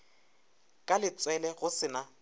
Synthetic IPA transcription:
kʼalɪt͡sʼwɛlɛɣʊsɪna

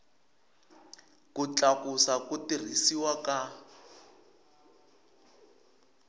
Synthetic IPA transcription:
kut͡ɬakusakutir̤isiwaka

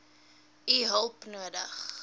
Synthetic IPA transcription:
iɦəlˠpnuədəχ

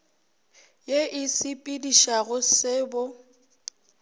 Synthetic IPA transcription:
jeʔɪsɪpʼidiʃaɣʊsɪːbʊ

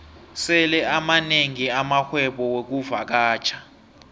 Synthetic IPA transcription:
sɛlɛamaneŋiamaxwɛɓɔwek̬uva̰k̬aːt͡ʃʰḁ

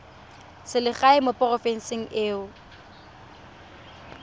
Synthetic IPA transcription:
sɪlɪχaɪmopʼɔrɔfɛn̩sɪŋ̩ʔeːʊ

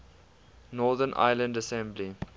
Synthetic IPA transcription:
nɔːðənʔa̰ɪlə̃ndəsɛ̃mbli

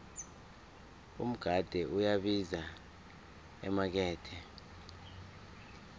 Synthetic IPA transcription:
um̩ɡ̥ʱad̥ʱɛʔujaɓiza | ɛ̰mak̬ɛːtʰɛ

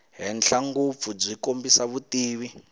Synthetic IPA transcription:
ɦɛnɬaŋɡup̪fud͡zikombisaβutiːβi

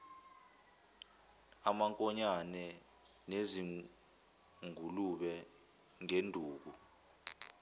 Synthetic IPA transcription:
amaŋkʼɔɲanɛ | nezi | ŋuluɓɛ | ŋendʱuːk̬u

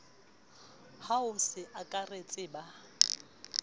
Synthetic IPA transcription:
haʊsɪʔakʼaret͡sʼɪba

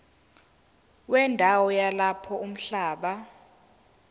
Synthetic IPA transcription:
wɛndʱawɔjalapʰɔʔum̩ɬaːɓa

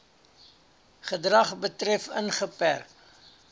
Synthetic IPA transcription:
χədrɐχbətrɛfənχəpærk

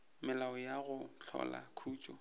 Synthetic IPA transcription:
mɪlaɔjaɣʊt͡ɬʰɔ̰la̰kʰuːt͡ʃʼɔ

